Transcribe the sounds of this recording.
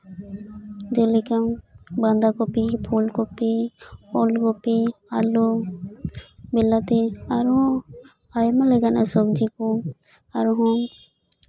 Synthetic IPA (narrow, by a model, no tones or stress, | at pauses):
d͡ʒelikamband̪akɔpipʰulkɔpiɔlkɔpia̰lu | bɛlat̪iaɾɔ̃ | ajmalɛɡanɛsɔbd͡ʒiku | aɾɦɔ̃